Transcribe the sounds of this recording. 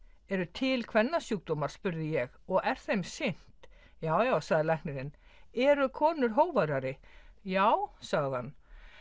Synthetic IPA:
ɛɾʏt̪ʰɪlkʰvɛnːasjuk̚t̪oːmaɾ̥spʏɾðɪjɛɣɔɣɛɾ̥θejmsɪn̥t̪ | jaːwjaːwsaɣðɪlajknɪɾɪnɛɾʏkʰɔːnʏɾ̥ɦoːwvaɾaɾɪjaːwsaɣðɪhanː

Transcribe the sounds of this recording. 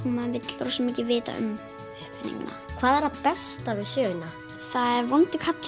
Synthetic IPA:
humanvɪt̪lɾɔsɛmɪcɪvɪːt̪a̰ʔʏ̰m | ʏhpvɪnḭŋna̰kʰvaːðɛɾapɛst̪avɪðsjœːjʏna | θaðɛɾvɔnt̪ɪkʰat̪l

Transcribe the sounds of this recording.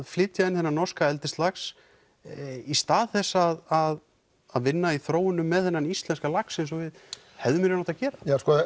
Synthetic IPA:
ðflɪːt̪jaɪnθɛnːanɔrskaɛlt̪ɪst̪laxs | ist̪aːðθɛsːaðað | aðvɪnːaiθɾoːwɪnʏmːɛðθɛnːanist̪lɛnskalaksɛns̬ɔvɪð | hɛvðʏmɾɪnɔht̪acɛːɾaskɔ

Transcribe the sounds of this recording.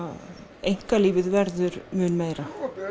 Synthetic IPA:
ejŋ̥kaliːvɪðvɛɾðʏɾmʏːnmejɾa

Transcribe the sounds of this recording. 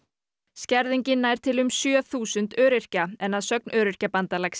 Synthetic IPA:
scɛɾðiɲcɪnːaːjɾ̥t̪ʰɪlʏmsjœθuːsʏnt̪œːɾɪr̥caɛnːaðsœk̚nʔœːɾɪr̥capant̪alaks

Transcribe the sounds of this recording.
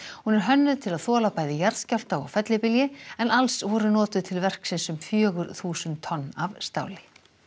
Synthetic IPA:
hunɛɾ̥ɦœnːʏt̪ʰɪlaðθɔːlapaːjðɪjaɾð̥scawl̥t̪aɔɣfɛt̪lɪpɪljɪɛnalsvɔɾʏnɔːt̪ʏðt̪ʰɪlvɛr̥ksɪnsʏmfjœːɣʏɾθuːsʏnt̪ʰːɔnːavst̪a̰ːwlɪ

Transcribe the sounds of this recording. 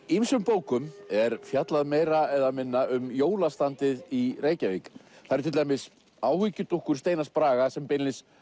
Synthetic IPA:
imsʏmpoːwkʏmɛɾfjat̪laðmeːjɾaɛðamɪnːaʏmjoːwlast̪ant̪ɪðireːjcaviːkθaɾt̪ʰɪlejmɪs | aːwhicʏt̪uhkʏɾ̥st̪eːjnaspɾaːɣasɛmpɪnlɪs

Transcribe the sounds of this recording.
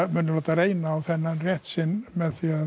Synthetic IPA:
mɛnlɔdaɾejnawθɛnanrjɛtsɪnmɛθja

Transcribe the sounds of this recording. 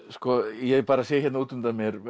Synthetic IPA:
skɔjɛpaːɾasɛːçjɛt̪nauːt̪ʏmt̪amjɛɾ

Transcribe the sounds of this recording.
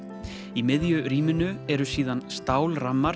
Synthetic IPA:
imɪðjʏɾiːmɪnʏɛɾʏsiːðanst̪aːwlramːaɾ

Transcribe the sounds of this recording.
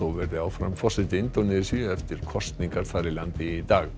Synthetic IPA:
owvɛɾðɪawfɾa̰mfɔsɪt̪ɪɪnt̪onɪsiɛft̪ɪɾ̥kʰɔst̪niŋkaɾ̥θaɾɪlant̪ɪit̪aːɣ

